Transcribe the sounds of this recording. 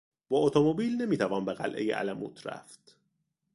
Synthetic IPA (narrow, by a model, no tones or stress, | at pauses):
b̥ɒːʔot̪ʰomobiːlne̞miːt̪ʰævɒːnbeɣælʔe̞̰jeʔæ̰læmṵːt̪ʰɾæ̰ft̪